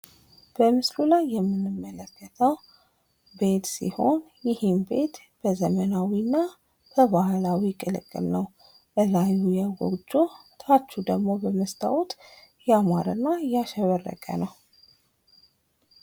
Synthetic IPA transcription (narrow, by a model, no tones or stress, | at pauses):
b̥əmɨslulajːɛmːɨnːɨmːələkːət̪ʰəw | be̞t̪sḭho̞n | jɪhɪmbe̞̰t̪ | b̥əzəmənawinːa | b̥əbahlawikʼɨlɨ̰kʼːɨ̰lnəw | bəlajujaɡɔ̰d͡ʒot̪ʰat͡ʃːud̪əɡmobəməst̪ʰʼa̰wɔt̪jɛamaɾɨnːajaʃəβərːə̰kʼə̰nəw